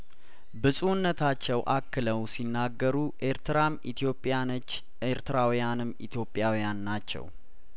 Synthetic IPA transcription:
bɨsʼuwnːət̪ʰat͡ʃːɛwʔakːɨləwsinːaɡːəɾuʔeɾt̪ʰɾamʰ | opʼː | eɾt̪ʰɨɾawjanɨmːḭt̪ʰjo̞pʼːjawijanːat͡ʃːɛ̰w

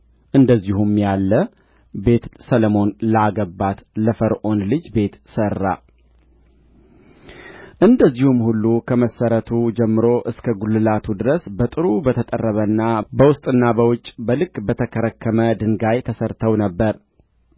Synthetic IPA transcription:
ʔɨnd̪əzːihumjalːə | be̞t̪sələmo̞nləaɡəbat̪ləfəɾʔo̞nlɨd͡ʒbe̞t̪sərːa̰ | ʔɨnd̪əzːihumhulːukʰəməsːəɾət̪ʰud͡ʒɛmːɨɾo̞ʔɨskʰəɡulːɨlat̪ʰud̪ɨɾəsbət̪ʼɨɾubət̪ʰət̪ʼə̰rːəβənːabəwʊst̪ʼɨnːabəwʊt͡ʃʼːbəlɨkʼbət̪ʰəkʰəɾəkʰːəməd̪ɨŋɡajt̪ʰəsəɾt̪ʰəwnəbːəɾ

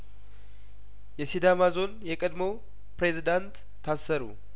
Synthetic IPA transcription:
jɛsid̪amazo̞njɛkʼəd̪mo̞ | pɾe̞zid̪ant̪ʰːasːəɾṵ

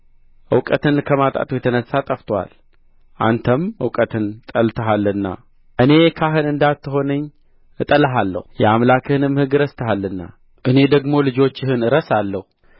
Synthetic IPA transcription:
ʔɨ̰wkʼət̪ɨnkʰəmat̪ʼa̰t̪ʰujɛt̪ʰənəsːat̪ʼəft̪ʰwa̰l | ʔa̰nt̪ʰəmɨwkʼət̪ʰɨnt̪ʼəlt̪ʰəɦalːɨnːa̰ | ʔɨne̞kʰaɦɨnɨnd̪at̪ːɨho̞nɨɲː | ɨt̪ʼələɦalːə̰hujɛamlakʰɨhɨnɨmhɨɡɨɾəst̪ʰəhalːɨnːa̰ | ʔɨne̞d̪əɡmo̞lɨd͡ʒo̞t͡ʃːɪhɨnɨɾəsalːəhu

